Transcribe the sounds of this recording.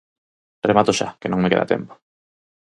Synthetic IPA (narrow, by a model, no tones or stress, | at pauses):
remat̪oʃa̰kenõŋmekeða̰t̪ḛmpo̥